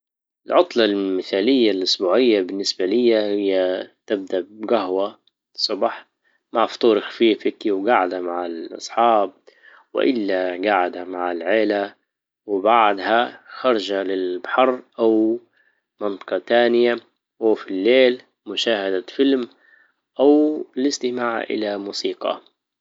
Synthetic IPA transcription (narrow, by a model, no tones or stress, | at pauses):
ʔɪlʕʊt̪ˤlɑlmɪθaːlɪjːalʔʊsbuːʕɪjːabɪnːɪsbalɪjːahɪjːat̪ɪb̚d̪aʔbɡaɦwa | sˤɑbɑħ | maʕft̪ˤuːɾxḁfiːfɪk̪iwɡaʕad̪hamaʕɪlʔɑ̰sˤħɑːb̚ | wɪ̰ʔɪlːaɡaʕad̪hamaʕɪlʕeːla | wɪbaʕd̪haxɑɾˤɑd͡ʒalɪlbaħɑɾˤʔaw | mɑnt̪ˤɑ̥qɑt̪aːnɪja | afilːeːl | mʊʃaːhad̪afɪlm | ʔawlɪst̪ɪmaːʕʔɪ̰lamuːsiːqɑ̰